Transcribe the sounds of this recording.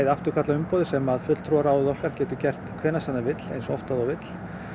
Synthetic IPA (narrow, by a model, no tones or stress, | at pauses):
ðaft̪ʏɾ̥kʰat̪laʏmpɔːðɪsɛmaðfʏt̪lt̪ʰɾɔɾaːwɪðɔhkaɾ̥cɛːt̪ʏcɛr̥t̪kʰvɛːnasanːavɪt̪l̥ḛjnsɔ̰ft̪aðɔɣvɪt̪l̥